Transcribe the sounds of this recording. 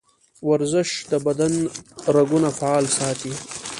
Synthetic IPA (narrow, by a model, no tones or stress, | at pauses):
waɾzɪʃd̪əbad̪anɾaɡunafaɑːlsɑt̪i